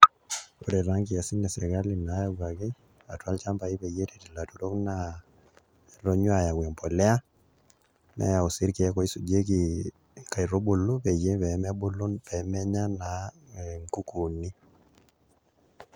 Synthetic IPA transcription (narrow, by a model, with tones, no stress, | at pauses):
o˨ɾe˨ɾa˦ŋki˨a˨si˦nɛ˨sɛ˨ka˦li˨na˨˦ja˦ɡa˨ki˦ | a˨twa˦lt͡ʃa˦mpa˨i˦pe˨je˦te˨ti˨la˨tu˨ɾo˦kna | ɾo˦ɲwa˨ja˨ɡwɛ˨mpɔ˨lɛ˦a˦ | mɛ̰˦ja˨o˨si˦ɾki˨ɛ˦kɔ˨i˦su˨d͡ʒe˦ki˨ | ka˨i˨ɾo˦bu˨lu˦pe˨je˦pɛ˨mɛ˦bu˦lu˦pɛ˨mɛ˦ɲa˦na˨ŋku˦ku˨ni˦